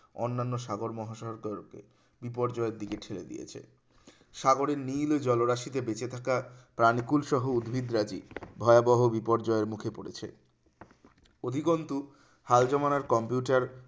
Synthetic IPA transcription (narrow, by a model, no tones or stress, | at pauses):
ɔnːanːoʃaɡoɾmɔɦaʃɔɦoɾkaɾkḛ | bipɔɾd͡ʑɔeɾd̪ikeʈʰeled̪ḭjḛt͡ɕʰḛ | ʃaɡoɾeɾnild͡ʑɔloɾaʃit̪ebet͡ɕet̪ʰakapɾanikulʃɔɦoud̪bʱid̪ɾad͡ʑḭbʱɔeabɔɦobipɔɾd͡ʑɔeɾmukʰepoɽḛt͡ɕʰḛ | od̪ʱiɡont̪u | hald͡ʑɔmanaɾkɔmpjuʈaɾ